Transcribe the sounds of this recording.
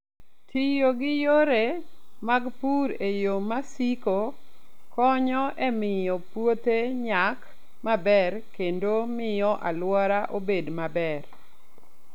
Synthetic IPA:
tʰijoɡɪjoɾemaɡpuɾejomasikokɔɲɔʔemɪjɔpwot̪eɲak | mabɛrkendomɪjɔʔa̰lwɔɾaʔobedmabɛr

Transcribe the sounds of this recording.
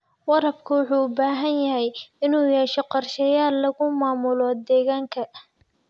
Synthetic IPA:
wɑɾɐb̚kʰʊwʊħuːʊbaːɦɐnjɐɦɛjɪnuːjɛːʃɔqɑrʃɛjaːlːɐɣʊmaːmʊlɔd̪ɛːɣaːŋkʰɐ

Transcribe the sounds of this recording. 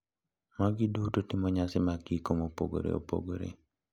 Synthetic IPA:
maɡidutotɪmɔɲasɪmaɡikomopo̰ɡo̰ɾḛo̰po̰ɡoɾḛ

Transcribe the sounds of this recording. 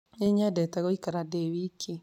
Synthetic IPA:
eɲadɛtaɣoikaɾadɛwikʰi

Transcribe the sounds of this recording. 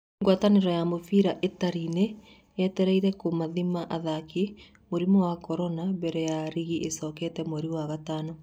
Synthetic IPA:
ŋɡwataneɾɔjamofiːɾaʔetaɾine | jɛtɛɾɛiɾɛkomaðimaʔaðaki | moɾimɔwakɔɾɔnaβɛɾɛjaɾiɣiʔesɔːkɛtɛmoɾiwaɣatanɔ

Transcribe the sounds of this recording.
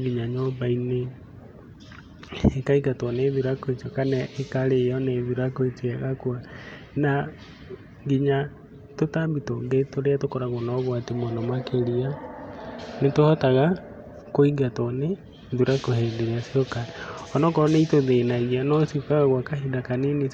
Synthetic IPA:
ɡiɲaɲɔbaine | ekaiɡatɔneðuɾakoetɔkanɛʔekaɾeɔneðuɾakoetwɛɣakwa | na | ŋɡiɲa | totabitoŋɡetoɾeatokɔɾaɣonɔɣwatemwanamwakeɾia | netohɔtaɣa | koiɡatɔne | ðuɾakohɛdeɾeasiɔkaɔnɔkɔneitoðenaɣianɔsukaɣaɣwakahidakaneni

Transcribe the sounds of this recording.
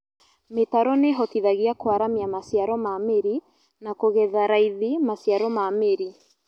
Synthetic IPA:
metaɾɔneɦɔtiðaɣiakoaɾamiamasiaɾɔmameɾi | nakoɣɛðaɾaiðimasiaɾɔmameɾi

